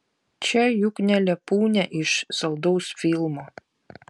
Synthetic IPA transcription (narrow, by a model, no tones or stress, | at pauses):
t͡ʃʲɛjʊknʲɛlʲɛpuːnʲɛʔɪʃsɐlˠd̪ɔʊsfʲilˠmoː